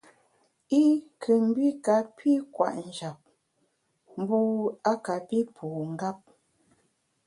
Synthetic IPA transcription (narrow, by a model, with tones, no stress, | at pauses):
i˦kʰə˨m̩˦bi˦ka˨pʰi˦kwa̰˨ʔn̩˨d͡ʒa˨p̚ | m̩˦bu˦a˦ka˨pi˦pʰuː˨ŋ̩˦ɡa˦p̚